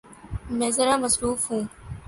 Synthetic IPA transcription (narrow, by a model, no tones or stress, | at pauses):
mɛ̃ːzəɾaːməsɾuːfɦũː